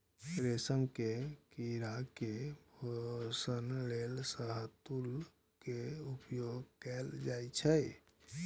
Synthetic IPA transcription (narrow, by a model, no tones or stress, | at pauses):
ɾesəmkekiɾakebʱosənlelsəɦət̪ul | keupjoɡkɛld͡ʒajt͡ʃʰəj